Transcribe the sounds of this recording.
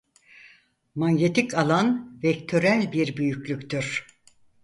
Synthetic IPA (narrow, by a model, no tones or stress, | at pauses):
maɲɟet̪ʰikʰalˠanvɛkt̪ʰøɾælʲbiɾbyjyklʲycʲt̪ʰyɾ̥